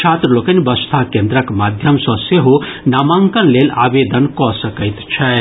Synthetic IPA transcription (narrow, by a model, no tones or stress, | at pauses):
t͡ʃʰat̪ɾɐlokɐnbʌst̪ʰakend̪ɾəkmad̪ʱjʌmsɔ̃seɦonamaŋkɐnlelaːbed̪ənkɔsəkəjt̪t͡ʃʰɐ